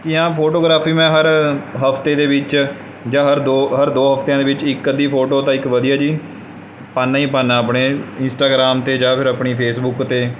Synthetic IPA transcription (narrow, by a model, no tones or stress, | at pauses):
kiːãːpʰoːʈoːɡɾaːpʰiːmɛ̃ːɦəɾɦəpʰt̪eːd̪eːʋɪt͡ʃ | d͡ʒãːɦəɾd̪oːɦəɾd̪oːɦəpt̪jãːd̪eːʋɪt͡ʃɪkːəd̪iːpʰoːʈoːt̪ãːɪkʋəd̪ijaːd͡ʒiː | paːnːãːiːpaːnːaːəpɳeːɪnsʈaːɡɾaːmt̪eːd͡ʒãːpʰɪɾəpɳiːpʰeːsbʊkt̪eː